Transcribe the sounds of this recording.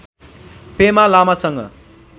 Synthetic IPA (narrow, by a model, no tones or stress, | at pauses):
pemalamasʌŋɡʌ̰